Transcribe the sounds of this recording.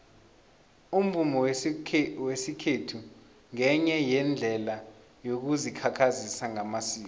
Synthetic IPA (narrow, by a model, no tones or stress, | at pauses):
um̩vumɔw | wesikʰetʰu | ŋɛɲɛjɛnd͡ɮʱɛla | jok̬uzikʰakʰazisaŋamasiːkɔ